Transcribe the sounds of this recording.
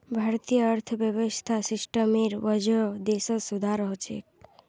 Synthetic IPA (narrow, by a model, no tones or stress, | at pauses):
bʱaɾt̪ijəːɾt̪ʰəbjəbɔst̪ʰasɪsʈəmiɾʋəd͡ʒod̪esosud̪ʱaɾəɦot͡ʃʰḛk